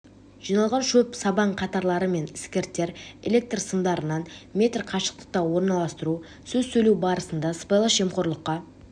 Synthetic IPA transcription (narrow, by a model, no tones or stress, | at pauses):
ʒ̥ijnɑlˠʁɑnʃɵpsɑbɑɴqʰɑt̪ɑɾlˠɑɾəme̞nɪskʲe̞ɾt̪ːe̞ɾe̞̰lʲe̞k̚t̪rsəmd̪ɑɾənɑnmʲe̞t̪rqʰɑʃə̥q̚t̪ə̥q̚t̪ɑwo̞ɾnɑlˠɑst̪əɾu | sɵzsɵjluwbɑɾəsənd̪ɑspejlˠəʃe̞mqʰo̞ɾlˠəqːɑ